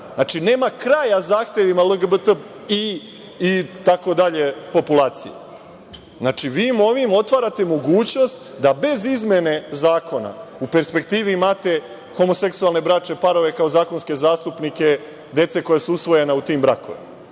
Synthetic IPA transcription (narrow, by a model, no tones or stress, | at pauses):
znaːt͡ʃine̞ːmakɾajazaːxt̪je̞ʋimaləɡəbət̪əp | iː | t̪ako̞d̪aʎe̞po̞pulaːt̪sḭjḛ | znaːt͡ʃiʋiːmo̞ʋimo̞t̪ʋaːɾat̪e̞mo̞ɡuːt͡ɕno̞st̪ | d̪abe̞zizmʲje̞ne̞zaːkʰo̞na̰upe̞ɾspe̞kt̪iːʋiimaːt̪e̞ | xo̞mo̞se̞ksualˠne̞bɾat͡ʃe̞paɾo̞ʋe̞kaozaːko̞nske̞zaːst̪upnike̞ | d̪e̞t̪se̞ko̞jasuusʋo̞je̞naut̪iːmbɾako̰ʋḛmaaa